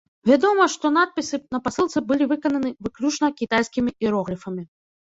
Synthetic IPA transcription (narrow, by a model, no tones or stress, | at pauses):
vʲad̪ɔmɐʂt̪ɔn̪at̪̚pʲisɨnɐpasɨlˠt̪sɨbɨlʲivɨkɐnɐnɨvɨklʲut͡ʂnɐkʲit̪ajskʲimʲiiɾɔɣɾʲifɐmʲi